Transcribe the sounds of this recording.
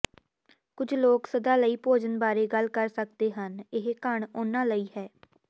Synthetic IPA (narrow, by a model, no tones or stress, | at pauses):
kʊd͡ʒloːksəd̪aːləiːpoːd͡ʒənbaːɾeːɡəlkəɾsək̚d̪eːɦənɪɦkəɳʊnãːləiːɦɛː